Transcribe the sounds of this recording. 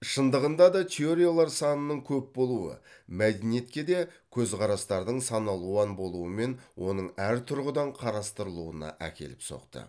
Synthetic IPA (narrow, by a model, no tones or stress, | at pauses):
ʃənd̪əʁənd̪ɑd̪ɑt̪ʲʰeoɾʲijolˠɑɾsɑnənːəɴkʲʰɵp̚bo̞lˠuə̰mæd̪enije̞t̪kʲe̞d̪e̞kʲʰɵzqʰɑɾɑst̪ɑɾd̪əɴsɑnɑlˠuɑnbo̞lˠuəme̞nwo̞nəɴæɾt̪ʰʊɾʁəd̪ɑɴqʰɑɾɑst̪əɾəlˠuənɑ̰ʔæ̰kʲe̞̰lɪpso̞̰qt̪ə̰